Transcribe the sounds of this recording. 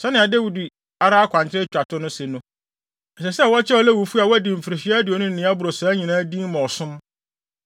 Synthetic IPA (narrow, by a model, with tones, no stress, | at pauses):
sɛ˦nɪ̃˨a˨de˦wi˨di˨ | a˦ɾa˦a˦kʷʰã˨ɲt͡ɕʰɪ˦ɾɪ˦t͡ɕᶣa˨tʰʊ˦nʊ̃˦sɛ˨nʊ̃˦ | ɛ˨sɛ˨sɛ˦˨wɔ˦t͡ɕʰɛ˦ɔ˨lɛ˦wu˨fu˦a˨wæ˦dĩ˨m̩˨fɪ˨ɾɪ˨fɪ˦ɛ˦æ˦dɪ˨ɔ˨nʊ̃˦n̩˨nɪ̃˨˦a˦bʊ˨ɾo˨sa˨˦ɲĩ˨nãː˦dĩ˦m˦mã˨ɔ˨sʊ̃˦m